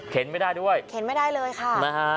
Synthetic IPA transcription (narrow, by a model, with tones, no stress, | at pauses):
kʰe˩˦nma˥˩daː˥˩jdu˥˩əjkʰe˩˦nma˥˩jdaː˥˩jlɤː˧jxʰa˥˩ma˦˧˩ka˦˥